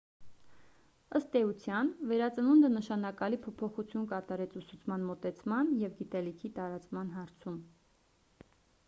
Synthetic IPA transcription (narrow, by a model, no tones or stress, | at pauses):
əst̪ɛut͡sʰjɑnvɛɾɑt͡sənund̪ənəʃɑnɑkɑlipʰɔpʰɔχut͡sʰjunkɑt̪ɑɾɛt͡sʰusut͡sʰmɑnmɔt̪ɛt͡sʰmɑnjɛvɡit̪ɛlikʰit̪ɑɾɑt͡smɑn̪ɦɑɾt͡sʰum